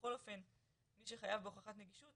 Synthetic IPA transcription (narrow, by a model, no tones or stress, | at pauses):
o̞lo̞fe̞n | miʃeχajavbeoχaχatneɡiʃut